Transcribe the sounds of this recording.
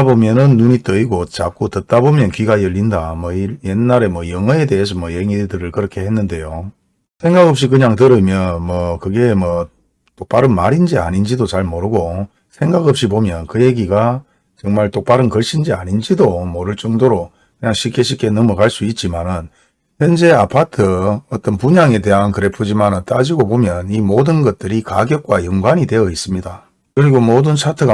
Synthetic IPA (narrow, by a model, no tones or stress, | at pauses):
bomjʌnɯnːuɲit͈ʌiɡot͡ɕak͈otɯt̚t͈abomjʌnkɥiɡajʌʎːindamwʌijenːaɾe̞mwʌjʌŋʌe̞de̞ɦes̬ʰʌmwʌjeŋidɯɾɯɭkɯɾʌkʰe̞henːɯnde̞jo | sʰe̞ŋɡaɡʌp̚ɕ̬͈ikɯɲaŋtɯɾɯmjʌnmʌkɯɡe̞mwʌ | t͈ok̚p͈aɾɯnmaɾind͡ʑia̰nind͡ʑidot͡ɕaɭmoɾɯɡo | sʰe̞ŋɡaɡʌp̚ɕ͈ipomjʌnkɯje̞ɡiɡa | t͡ɕʌŋmaɭt͈ok̚p͈aɾɯnkʌɭɕʰind͡ʑia̰ɲind͡ʑidomoɾɯɭt͡ɕ͈ʌŋdoɾo | kɯɲaŋɕʰik͈ʰeɕʰik͈ʰe̞nʌmʌɡaɭs͈uit̚t͡ɕ͈imanɯn | çjʌnd͡ʑe̞apʰatʰɯʌt͈ʌnpuɲaŋe̞t̬e̞ɦankɯɾe̞pʰud͡ʑimanɯnt͈ad͡ʑiɡobomjʌnimodɯnɡʌt̚t͈ɯɾikaɡjʌk̚k͈wajʌŋɡwaɲide̞jʌis͈ɯmɲida | kɯɾiɡomodɯnt͡ɕʰatʰɯɡa